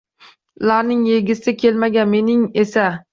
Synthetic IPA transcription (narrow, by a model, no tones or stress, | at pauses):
laɾnɪŋjeɡʲɪsɪkʲʰelmaɡʲanme̞nɪŋesa